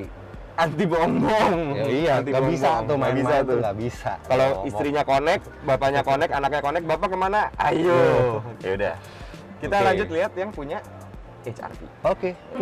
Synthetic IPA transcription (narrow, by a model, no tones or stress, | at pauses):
ant̪iboŋbɔŋiant̪iɡabiaŋt̪ʊabisat̪ʊɡabisa̰kalowist̪ɾiɲakonɛk̚bapaɲakonɛkanak̚ɲakonɛk̚bapakəmanaʔajo | uda̰ | kit̪alaɲd͡ʒʊt̪̚liɦat̪̚jaŋpuɲa | et͡ʃa̰rt̪ḭoke